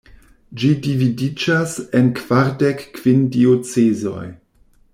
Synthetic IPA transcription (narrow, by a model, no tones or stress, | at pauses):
d͡ʒidividid͡ʒasenkv̥aɾdekːv̥indiot͡sezo̞̰j